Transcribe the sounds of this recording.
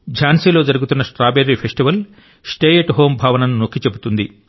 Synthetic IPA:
d͡ʒʱaːnseːlo̞ːd͡ʒɐɾuɡut̪unːɐsʈɾaːbeɾːipʰesʈiʋɐl | sʈeːjeʈɦo̞ːmbʱaːʋɐnɐnunokːit͡ʃe̞but̪und̪i

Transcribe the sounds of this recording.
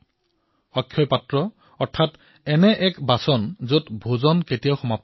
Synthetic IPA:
ɔkʰːjɔjpatɹɔ | ɔɹtʰat | ɛnɛʔɛkbasɔnzotbʱozɔnketijawxɔmap̚

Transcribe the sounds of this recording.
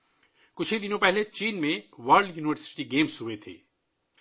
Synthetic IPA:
kʊt͡ʃʰid̪ɪnõpɛɦlet͡ʃiːnmẽʋaːɾlɖjuːnɪʋəɾsɪ̥ʈiɡeːmsɦʊʋet̪ʰḛː

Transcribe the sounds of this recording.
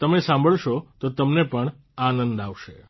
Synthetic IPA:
t̪əmesãmbʱəɭʃot̪ot̪əmnepəɳ | anənd̪aʋʃe

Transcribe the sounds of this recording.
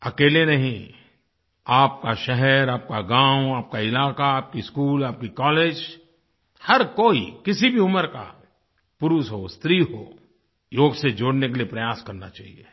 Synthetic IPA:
ɐkeːlenɐɦĩ | aːp̚kaʃɛɦɛɾaːp̚kaɡãːʊaːp̚kaɪlaːkaaːp̚kiskuːlaːp̚kikɔːleːd͡ʒ | hɐɾkoːḭkɪsibʱiʊməɾka̰ | pʊɾʊʃɦost̪ɾiɦo̰ː | joːɡsed͡ʒoːɽnekeliepɾɐjaːskɐɾna̰t͡ʃaːɦiḛ

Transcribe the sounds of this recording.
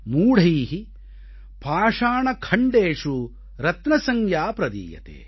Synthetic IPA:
muːɽiːɦi | paːʂaːɳɐkʰɐɳɖeːʂu | ɾɐt̪nɐsɐŋjaːpɾɐd̪ḭːjɐ̰t̪ḛː

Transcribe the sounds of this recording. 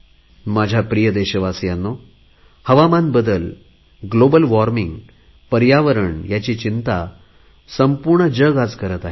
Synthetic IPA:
mad͡ʑʱapɾijəd̪eɕəʋasjanːo | həʋamanbəd̪əl | ɡlobəlʋɔɾmiŋɡ | pəɾjaʋəɾəɳjat͡ɕiːt͡ɕint̪a | səmpuɾɳəd͡ʑəɡad͡zkəɾət̪aɦe

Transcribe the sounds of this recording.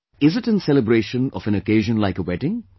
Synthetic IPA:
ɪzɪʈɨ̃nsɛləbɾeːʃə̃nɔ̰fɨ̃nəkeɪʒə̃nlaɪkəwɛʈɪ̃ŋ

